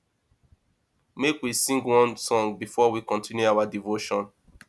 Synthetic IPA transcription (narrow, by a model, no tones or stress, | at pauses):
mekwisĩŋɡwɔ̃nsɔ̃ŋɡbifɔwikɔ̃ntĩnjuawadivoʃɔ̃n